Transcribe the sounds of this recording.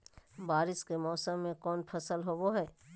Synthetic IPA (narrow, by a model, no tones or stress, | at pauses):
baːɾɪskemɔːsəmːẽkɔːnpʰəsəlɦoboɦɛː